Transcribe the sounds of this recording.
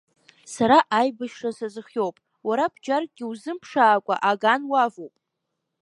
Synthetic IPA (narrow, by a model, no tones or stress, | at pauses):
saɾaʔajbɨʃʂasazɨχʲjo̞wpʼ | waɾab̥d͡ʒarɡʲɪwzɨmpʰʂaːkʷʼa̰ʔaɡanwavowpʼ